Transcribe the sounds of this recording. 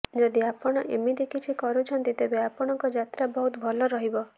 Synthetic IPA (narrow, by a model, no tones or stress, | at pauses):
d͡ʒɔd̪iapɔɽ̃ɔʔemid̪ikit͡ʃʰikɔɾut͡ʃʰɔnt̪it̪ebeapɔɽ̃ɔŋkɔd͡ʒat̪ɾabɔɦut̪bʱɔlɔɾɔɦibɔ